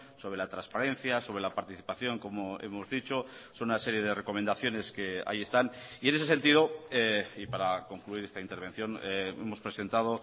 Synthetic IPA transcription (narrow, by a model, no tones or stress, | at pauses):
so̞βɾe̞lat̪ɾanspaɾẽ̞n̟θjaso̞βɾe̞lapaɾt̪iθipaθjo̞ŋko̞moe̞̰mo̞zðit͡ʃo̞so̞nunase̞ɾje̞ð̞ere̞ko̞mẽnd̪aθjo̞ne̞ske̞a̰jie̞st̪anie̞nes̬ese̞nt̪ið̞o̞eipaɾako̞ŋkluiɾe̞st̪aint̪eɾβ̞e̞n̟θjo̞nee̞̰mo̞spɾe̞se̞nt̪aðo̞